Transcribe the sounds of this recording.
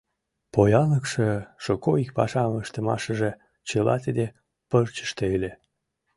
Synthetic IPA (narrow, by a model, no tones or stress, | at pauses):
pojɑləkʃeʃokoik̚pɑʃɑməʃt̪əmɑ̰ʃəʒe | t͡ɕəlɑ̰t̪id̪e | pərt͡ɕə̥ʃt̪eelʲe